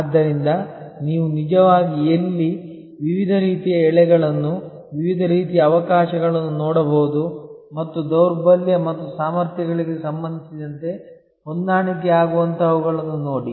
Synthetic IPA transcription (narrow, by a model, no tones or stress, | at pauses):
ad̪ːɐɾind̪ɐniːʋunid͡ʒɐʋaːɡielːi | ʋiʋid̪ʱɐɾiːt̪ijɐɛɭɛɡɐɭɐnːu | ʋiʋid̪ʱɐɾiːt̪̬ijɐːʋɐkaːʃɐɡɐɭɐnːunɔːɽɐboːud̪u | mɐt̪ːud̪ɐwɾbɐljɐmɐt̪ːusaːmɐɾt̪jɐɡɐɭiɡe̞sɐmbɐnd̪ʱisid̪ɐnt̪e̞ | hond̪aːɳik̬ɛaːɡuʋɐnt̪ɐʋuɡɐɭɐnːunoːɽi